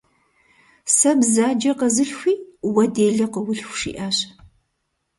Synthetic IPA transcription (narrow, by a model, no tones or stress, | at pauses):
sɐbzaːd͡ʒɐqɐzɨɬxʷiːwɐdeːɮɐqəwʊɬxʷʂḭːʔaːɕ